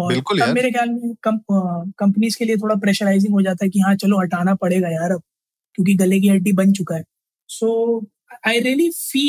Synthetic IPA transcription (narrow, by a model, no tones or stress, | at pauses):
ɔːɾɪlkʊlɐbmeːɾexjaːlmɛ̃kɐ̃kɐ̃mpənizkeliet̪ʰoːɽapɾɛːʃəɾaɪzɪ̃ŋɡɦod͡ʒaːt̪aɦɛkijɐɦãt͡ʃɐloɦɐʈaːnapɐɽeːɡajaːɾɐb̚ | kjõːk̬iɡɐlek̬iɦɐɖibɐnt͡ʃʊkaɦɛː | soː | aːɪɾiəlifiː